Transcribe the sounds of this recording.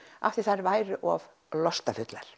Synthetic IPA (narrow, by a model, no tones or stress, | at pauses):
ʔa̰ft̪ɪɾ̥θaɾvaːjɾʏʔɔv | lɔst̪afʏt̪laɾ̥